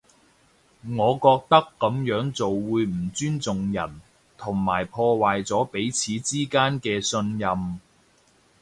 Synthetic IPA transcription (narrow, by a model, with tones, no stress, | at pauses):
ŋɔː˨˧kɔː˧k̚t̪ɐ˥kːɐ˨˥mjœː˨˥ŋt͡so˨wwuː˨˧jm̩˨˩t͡syː˥nt͡sʊ˨ŋjɐ˨˩n | t̪ʰʊ˨˩ŋmaː˨˩jpʰɔː˧waː˨jt͡sɔː˨˥pe˨˥jt͡sʰiː˨˥t͡siː˥kaː˥nkɛː˧sɵ˧njɐ˧m